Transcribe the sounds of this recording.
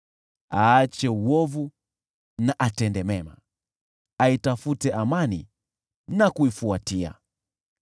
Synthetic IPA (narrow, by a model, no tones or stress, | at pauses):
aat͡ʃɛuwɔvu | naʔatɛndɛmɛma̰ | aitafutɛʔamanḭ | nakuifuatia̰